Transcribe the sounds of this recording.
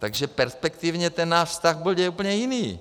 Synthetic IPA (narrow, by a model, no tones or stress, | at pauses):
t̪aɡʒɛpɛɾspɛkt̪ivɲɛt̪ɛnnaːʃfst̪aɣbuɟɛupl̩ɲɛjiniː